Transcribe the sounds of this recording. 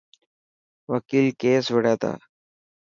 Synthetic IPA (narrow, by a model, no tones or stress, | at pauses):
ʋəkiːlkesʋəɽat̪a̰